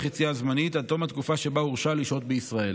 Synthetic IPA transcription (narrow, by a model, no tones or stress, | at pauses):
χit͡siazmanit̪at̪o̞mhat̪̚kufaʃe̞bauʁʃaliʃo̞t̪̚beisʁae̞l